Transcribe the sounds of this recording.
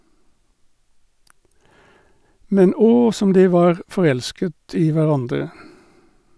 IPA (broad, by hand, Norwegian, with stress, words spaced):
ˈmɛn ˈɔ ˈsɔm ˈdiː ˈʋɑːʁ fɔˈʁɛlskət ˈiː ʋæˈʁɑndʁə